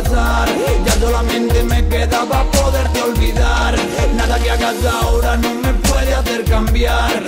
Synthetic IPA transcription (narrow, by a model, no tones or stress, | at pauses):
saɾ | ʝaso̞lamẽ̞nt̪eme̞ke̞ðaβapo̞ðeɾt̪eo̞lβiðaɾ | naðakeakasaoɾanõŋme̞pweðeaθe̞ɾkambjaɾ